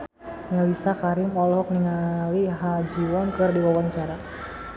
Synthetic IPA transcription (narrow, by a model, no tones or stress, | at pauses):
ŋalisakaɾɪmɔlɔk̚niŋaliɦad͡ʒiwɔnkɨrdiwawaɲt͡ʃaɾa